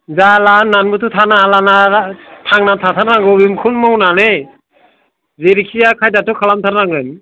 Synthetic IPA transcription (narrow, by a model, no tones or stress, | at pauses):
zalanːanbɯtʰutʰanaalanatʰaŋnatʰatʰaɾnaŋɡɯwimkʰunmɔwnane | zeɾikʰijakʰajdatukʰalamtʰaɾnaŋɡɯjm